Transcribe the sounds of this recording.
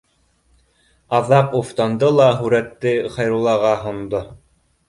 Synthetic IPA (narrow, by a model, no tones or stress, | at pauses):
ɑðɑquft̪ɑnd̪ɤlˠɑɦʉɾæt̪ːɘχɑjɾulˠɑʁɑɦŏnd̪o